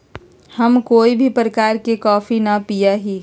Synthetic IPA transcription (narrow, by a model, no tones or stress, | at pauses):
həmkoːibʱipɾəkaːɾkekɔːfʰinapijaɦi